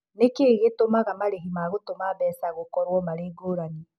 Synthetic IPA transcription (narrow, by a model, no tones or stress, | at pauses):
nekeɣetomaɣamaɾeɦimaɣotomaβɛːsaɣokɔɾwɔmaɾeːɡoːɾani